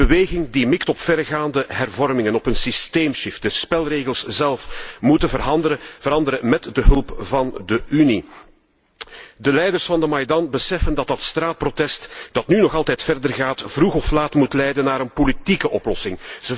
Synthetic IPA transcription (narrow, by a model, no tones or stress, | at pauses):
əʋeːɣɪŋdimɪktɔpfɛrɣaːndəɦɛrvɔrmɪŋənɔpənsisteːmʃɪft̚d̥əspɛlˠreːɣəlˠszɛlˠfmutəəvəɾɑndəɾəmɛtdəɦɵlˠpvɑndəʔyni | dəlɛjdərsfɑndəmɑjdɑnbəsɛfəndɑtdɑtstraːt̚protɛstd̥ɑtnynɔxɑlˠtɛjtfɛrdərɣaːtv̥ruɣɔflaːtmutlɛjdənːaːɾənpolitikəʔɔplɔsɪŋz̥ə